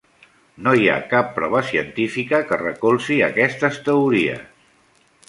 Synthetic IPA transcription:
noja̰kapːɾɔβəsiənt̪ifikəkərəkolˠsiə̰kɛst̪əst̪əuɾiə̰s

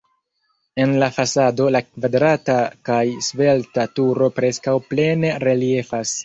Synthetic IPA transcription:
e̞nlafasado̞lakvadɾatakajsve̞ltatuɾo̞pɾe̞skawple̞ne̞ɾe̞lie̞fas

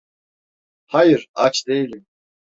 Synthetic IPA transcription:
hajɯɾat͡ʃd̪e̞jilʲim

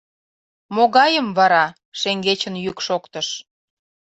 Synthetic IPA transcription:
moɣɑjəmβɑɾɑ | ʃeŋɡet͡ɕənjykʃokt̪əʃ

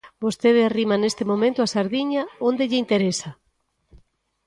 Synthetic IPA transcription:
bost̪eðearimanest̪ɪmomẽnt̪ʊasaɾðiɲaond̪eʎɪint̪eɾesɐ

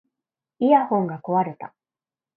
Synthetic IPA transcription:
iahõ̞ŋɡako̞βaɾe̞t̪a

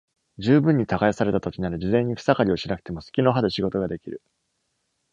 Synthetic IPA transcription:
d͡ʑɨːbɯ̟̃ɲ̟ːit̪aɡaesaɾe̞t̪at̪o̞kʲinaɾɯ̟d͡ʑizẽ̞ɲ̟ːikɯ̥sakaɾʲioɕiɾakɯ̟̥t̪e̞mo̞sɨ̥kʲino̞ɦad̪e̞ɕiɡo̞t̪o̞ɡad̪e̞kʲiɾɯ̟

